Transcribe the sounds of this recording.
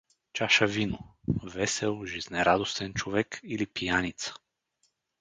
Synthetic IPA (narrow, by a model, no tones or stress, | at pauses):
t͡ʃaʃavinovɛsɛlˠʒiznɛɾad̪ost̪ɛnt͡ʃovɛkilipijanit̪sə̥